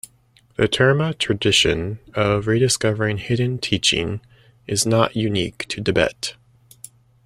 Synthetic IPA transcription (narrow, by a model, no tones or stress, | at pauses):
ðɨtʰɜ˞mətʰɹ̥ɨdɪʃɨ̃nʌvɹiɾɨskʌvə˞ɪ̃ŋhɪdⁿn̩tʰit͡ʃɪ̰̃ŋ | ʔɨznəʔjʉniktʰɨdɨbɛ̰t